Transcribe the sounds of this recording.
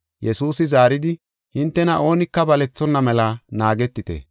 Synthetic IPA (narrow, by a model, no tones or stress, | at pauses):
jɛsuːsɪzaːɾɪd̪ɪ | hɪnt̪ːɛnɐʔo̞ːnɪkːɐbɐlɛt͡sːɔnːɐmɛlɐnaːɡɛt̪ːɪt̪ḛː